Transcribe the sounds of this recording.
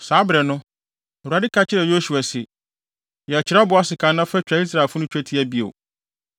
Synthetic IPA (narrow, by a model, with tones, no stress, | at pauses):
saː˨˦bɾɛ˨nʊ̃˦˨ | wa˨dɪ˦kʰa˦t͡ɕʰɪ˦ɾɛ˨jo˦ɕu˨a˨sɪ˨ | jɛ˨t͡ɕʰɪ˨ɾa˦bʊ˨a˦sɪ˨kʰã˨nã˦fɛ˦t͡ɕᶣa˨˦i˦s̬ɾa˨ɛ˨fʊ˦nʊ̃˦t͡ɕᶣæ˦tʰi˦æ˦bi˦o̰˨